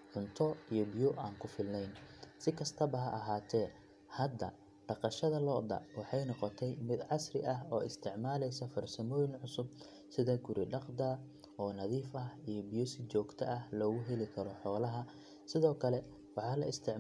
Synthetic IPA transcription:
ʕʊnt̪ʰɔijɔbijɔʔaːŋkʰʊfɪlnɛjnsɪkʰɐst̪ʰɐbɐɦɐʔɐɦaːt̪ʰɛː | hɐd̪ɐ̰ | ɖɑqɑʃɐðɐlɔːd̪ɐ̰wɑħɑjnɔqɔt̪ʰɛjmɪd̪ʕɑsrɪʔɐɦɔːʔɪst̪ʰɪʕmaːlɛjsɐfɐrsɐmɔːjɪnʕʊsʊb̚ | sɪðɐɡʊɾʔɪɖɑqd̪ɐ | ɔːnɐðiːfɐhijɔbijɔsɪt͡ʃɔːɡt̪ʰɐ̰ʔɐhlɔːɣʊɦɛlɪkʰɐɾɔħɔːlɐɦɐ | sɪðɔːkʰɐlɛ | wɑħɑːlɐ̰ʔɪst̪ʰɪʕ

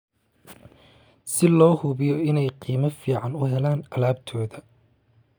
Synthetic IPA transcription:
sɪlɔːhʊβɪjɔɪnɛjqiːmɐfiːʕɑnʊɦɛlaːnɐlaːbt̪ʰɔːðɐ

